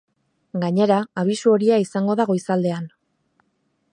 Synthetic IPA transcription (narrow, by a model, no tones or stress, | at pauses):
ɡaɲe̞ɾaːβ̞isuo̞ɾiaisaŋɡo̞ðaɣo̞isald̪e̞an